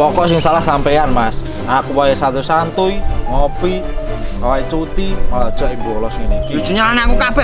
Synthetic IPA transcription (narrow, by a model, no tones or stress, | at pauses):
pɔkɔsɪŋsalahsampɛjanmas | akuwajasat̪usant̪ʊiŋɔpi | kawait͡ʃut̪ialad̥ʒ̥ɔʔimbuɔlɔsiŋnikiid͡ʒ̥uɲalaneakukab̥ɛ